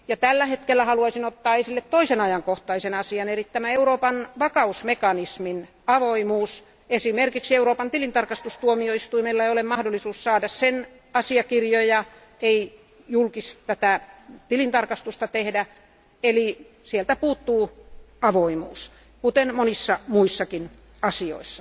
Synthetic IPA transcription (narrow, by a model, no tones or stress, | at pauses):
jɑt̪ælːæhet̪kelːæhɑluɑisinot̪ːɑːesilːet̪t̪oisenɑjɑŋkoht̪ɑisenɑsiɑnerit̪t̪ːæmæeuɾoːpɑnʋɑkɑusmekɑnismin | ɑʋoimuːs | esimerkiksieuroːpɑnt̪ilint̪ɑrkɑst̪ust̪uomioist̪uimelːɑeiolemmɑhdolːˑisuːssɑːdɑssen | ɑsiɑkirjojɑ | ei | julkist̪æt̪æt̪ilint̪ɑrkɑst̪ust̪ɑt̪ehdæ | eli | sielt̪æpuːt̪ːuːɑʋoimṵːs | kut̪enmonisːɑmuisːɑkin | ɑsio̰isːɑ̥